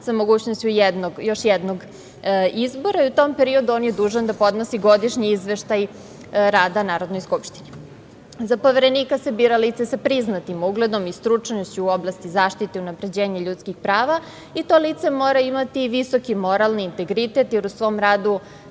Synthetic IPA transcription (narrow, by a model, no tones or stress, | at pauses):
samo̞ɡuːt͡ɕnost͡ɕujɛd̪noɡjo̞ʃjɛd̪noɡ | izbo̞ɾaiut̪o̞mpeɾiod̪uoːnjed̪uːʒand̪apo̞d̪nosiɡo̞d̪iʃɲiizʋeʃt̪aj | ɾaːd̪anaːɾo̞d̪no̞jskupʃt̪i̥ni | zapo̞ʋeɾe̞nikasebiːɾaliːt̪sesapɾiznat̪imuɡled̪o̞mist̪ɾut͡ʂnoɕt͡ɕuːo̞blast̪izaːʃt̪it̪eunapɾe̞d͡ʑeːɲaʎut̪skixpɾaːʋa | it̪o̞ːliːt̪se̞moːɾaimat̪iʋiso̞kimo̞ɾalniːnt̪e̞ɡɾit̪e̞t̪jeɾusʋo̞ːmɾaːd̪u